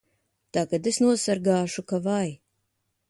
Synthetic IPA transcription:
t̪aːkad̪esnuɔsaɾɡaːʃukavaj

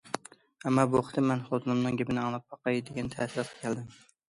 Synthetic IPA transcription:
amːɑboχt̪ɪmanχozʰnɪmnɪŋɡʲɪbɪnɪɑŋlˠɑp̚bɑqʰɑjd̪eɡʲant̪ʰaːsɪɾat̪ʰɑ̥kʲʰald̪ɪm

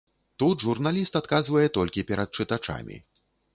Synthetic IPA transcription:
t̪ut̪ʐurnalʲist̪at̪kazvɐjɛt̪ɔlʲkʲipʲɛɾɐt̪̚t͡ʂɨt̪at͡ʂa̰mʲḭ

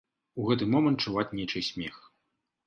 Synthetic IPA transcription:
uɣɛt̪ɨmɔmɐnt̪t͡ʂːuvat͡sʲnʲet͡ʂɨsʲmʲɛx

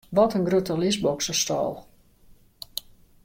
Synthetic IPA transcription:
ʋɔtənɡrøtəlisbɔksəstɔ̰ːlˠ

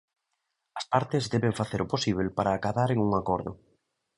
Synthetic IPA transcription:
ɐspaɾt̪ezd̪ɛβeɱfaθeɾʊposiβ̞elpaɾaːkaðaɾeŋuŋakɔɾðʊ̰

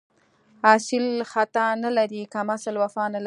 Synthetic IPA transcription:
hɑsɪlxat̪analaɾikamasəlwafɑnal

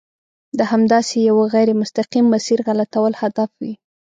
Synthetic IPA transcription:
d̪əhamd̪ɑsejawəɣajɾemʊst̪aqimːasiɾɣalat̪awəlhad̪afwi

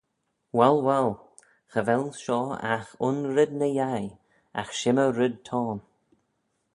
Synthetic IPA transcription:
wɛlwɛl | xəvɛlʃɔːa̰xʊnɾɪd̪̚nəjaj | a̰xʃɪməɾɪd̚t̪ʰɔːn

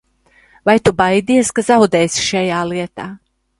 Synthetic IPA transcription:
vajt̪ubajd̪iɛskazawd̪ɛːjsi̥ʃajaːlˠiɛt̪aː

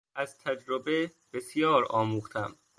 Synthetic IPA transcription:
æzt̪ʰæd͡ʒɾobeb̥e̞sjɒːɾɒːmuːχt̪ʰæm

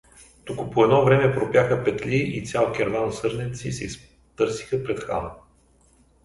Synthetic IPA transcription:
t̪ukʊpoɛd̪nɔvɾɛmɛpɾopjaxəpɛt̪lʲiʔit̪sʲjalˠkʲɛɾvansɤɾnɛt̪sisɛis | t̪ɤɾsixəpɾɛt̪xa̰n

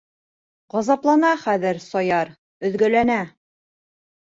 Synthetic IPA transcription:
ʁɑzɑplˠɑnɑχæðɘɾsɒjɑɾ | ɵ̆ðɡɵ̆lænæ

